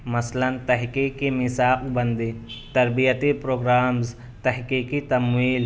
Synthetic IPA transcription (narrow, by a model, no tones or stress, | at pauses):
mɐslɐnt̪ɐɦkikːimɪsaːqbɐnd̪it̪ɐɾbijət̪ipɾoːɡɾaːmz | t̪ɐɦkiːkit̪ɐmwiːl